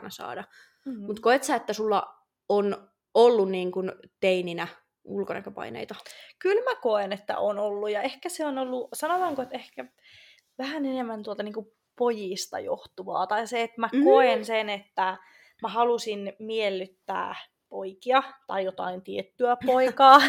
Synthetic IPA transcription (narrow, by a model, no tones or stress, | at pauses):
nɑsɑ̰ːdɑ | mut̪koet̪sæet̪ːæsulːɑ̰ | on | olːunniːŋkunt̪eininæ | ulkonɑ̰køpɑ̰inḛit̪ɑkylmækoenet̪ːæ̰ʔoːnolːujɑehkæseonolːusɑnot̪ɑːŋkoet̪ehkæ | ʋæhænenemːænt̪uolt̪ɑniːŋku | pojist̪ɑ̰jo̰ht̪uʋɑ̰ːt̪ɑiseet̪mækoensenet̪ːæ | mæhɑlusinmielːyt̪ːæ̰ː | poikiɑt̪ɑijot̪ɑ̰int̪iet̪ːyæpoikɑː